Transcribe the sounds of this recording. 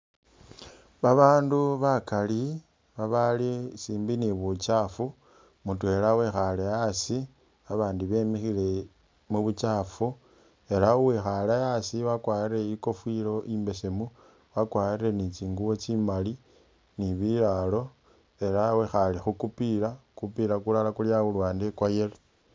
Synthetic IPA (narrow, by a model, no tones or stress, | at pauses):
βaβaːnduβakali | βaβalisiːmbiniβut͡ʃafu | mutwe̞lawe̞xalejasi | βaβaːndiβe̞ːmixile̞ | muβut͡ʃafu | e̞ɾauwexalajasiwakwajire̞iko̞fwilo̞ʔiːmbe̞se̞mu | wakwaire̞nit͡ʃiːŋɡuwo̞t͡ʃimali | niβilalo̞ | e̞ɾawexalixukupilakupiɾakulalakuljaulwaːndekwajele